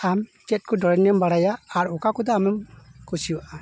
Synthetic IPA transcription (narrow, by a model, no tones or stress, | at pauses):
amt͡ʃɛt̪̚ˀkɔdɔɾɛnɛmbaɽajaːɾɔkakɔd̪ɛamɛmkusijuwaʔa